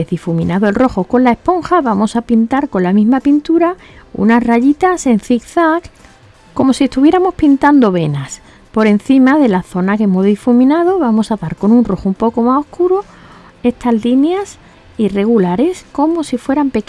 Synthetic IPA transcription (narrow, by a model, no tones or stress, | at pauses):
eðifumĩnaðoe̞lro̞xo̞ko̞nlae̞spo̞ŋxaβamo̞sapint̪aɾko̞nlamĩzmapint̪uɾa | ṵnaraʎit̪ase̞nθikθak | ko̞mo̞sie̞st̪uβje̞ɾamo̞hpint̪and̪o̞βe̞nas | po̞ɾe̞n̟θimaðe̞laθo̞nakemo̞zðifumĩnað̞oβamo̞saðaɾko̞nunro̞xoumpo̞ko̞maso̞hkuɾo | e̞st̪azlinjas | ire̞ɣulaɾe̞sko̞mo̞sifwe̞ɾampe̞k